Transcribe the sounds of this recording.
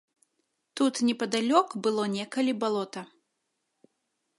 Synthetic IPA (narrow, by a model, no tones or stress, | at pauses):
t̪ut̪nʲɛpɐd̪alʲɔkbɨlˠɔnʲɛkɐlʲibalˠɔt̪ɐ